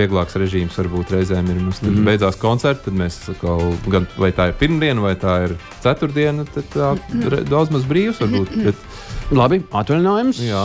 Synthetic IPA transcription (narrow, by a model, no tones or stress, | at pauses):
iɛɡlˠɑːksɾɛʒiːmsʋaɾbuːt̪ɾɛjzɛːmiɾmumst̪ad̪bɛjd̪zaːskɔnt̪sɛɾt̪t̪ad̪meːssakoːɡanvajt̪aːiɾpiɾmd̪iɛnvajt̪aːiɾsæt̪uɾd̪iɛnt̪ad̪t̪aːɾɛ̰d̪ad̪zmazbɾiːwsʋaɾbuːt̪bɛt̪ | lˠabiat̪ʋalʲˠinaːjumsja